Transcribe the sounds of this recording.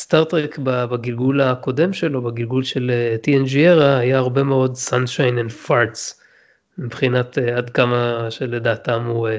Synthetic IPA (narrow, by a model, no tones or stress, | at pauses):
st̪aʁt̪ʁekbabaɡilɡulako̞de̞mʃe̞lo̞baɡilɡulʃe̞letiend͡ʒieʁaːjaːʁbe̞meo̞dsanʃajnenfaʁts | mibχinat̪eadkamaʃe̞le̞daːtamu